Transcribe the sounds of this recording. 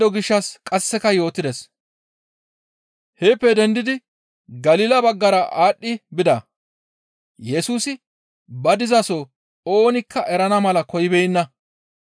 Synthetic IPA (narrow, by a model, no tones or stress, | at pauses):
ɔɡɪʃːɐskʼɐsːɛkɐjo̞ːt̪ɪd̪ɛs | heːpːɛd̪ɛnd̪ɪd̪ɪ | ɡɐliːlɐbɐɡːɐɾɐʔaːɗːɪbɪd̪ɐ | jɛsuːsɪ | bɐd̪ɪzɐso | o̞ːnɪkːɐʔɛɾɐnɐmɐlɐkɔjɪbɛjɪnːɐ